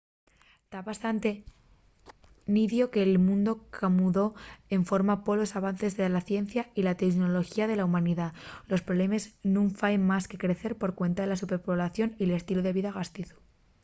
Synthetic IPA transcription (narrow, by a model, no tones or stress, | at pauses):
t̪aβast̪ant̪e̞ | niðjo̞ke̞ːlmũnd̪o̞kʰamuðo̞e̞ɱfo̞ɾmapo̞lo̞saβ̞anθe̞zðelaθje̞n̟θjailat̪ekno̞lo̞xiaðe̞laumãniðalo̞spɾoβle̞meznũɱfaenmaske̞kɾe̞θe̞ɾpo̞ɾkwe̞nt̪aðe̞lasupe̞ɾpoβlaθjo̞nile̞st̪iloð̞e̞β̞iðaɣast̪iθu̥